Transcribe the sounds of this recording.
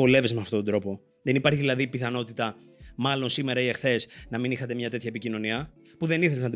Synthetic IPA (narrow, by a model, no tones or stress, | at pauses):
o̞le̞vezmeɐft̪o̞t̪od̪ɾo̞po̞ | ðenipɐɾçiðilɐðipiθɐno̞t̪it̪ɐ | mɐlo̞nsime̞ɾɐiexθe̞snɐminixɐt̪e̞mɲɐt̪e̞t̪çɐepicino̞niɐ | puðe̞niθe̞leznɐt̪i